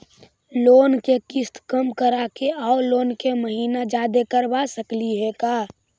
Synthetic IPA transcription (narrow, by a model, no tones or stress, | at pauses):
loːnkekɪst̪kəmkəɾakeaoloːnkeməɦiːnad͡ʒaːd̪ekəɾbasəkliɦekaː